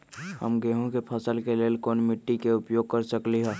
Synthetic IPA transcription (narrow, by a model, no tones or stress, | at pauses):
hə̰mɡeːɦõkepʰɐsəlkeleːlkoːnmɪʈːikeʊpjoːɡ̚kɐɾsəkliɦɛː